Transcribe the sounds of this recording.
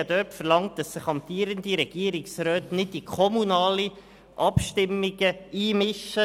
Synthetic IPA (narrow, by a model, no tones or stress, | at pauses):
ədœːɾtfəɾlɑŋt̚d̥ɑsːɪχɑmtiːəɾəndiɾɛɡ̥iəɾɪksɾœːtnɪt̚d̥ikʰɔmunɑːli | ʔɑpʃtɪmːiɡəiːmɪʃə